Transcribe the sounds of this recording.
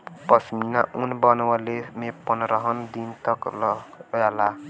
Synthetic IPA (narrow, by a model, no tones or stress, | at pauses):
pʌsminaʔunbʌnwalemepʌnɾəɦʌnd̪int̪ʌklala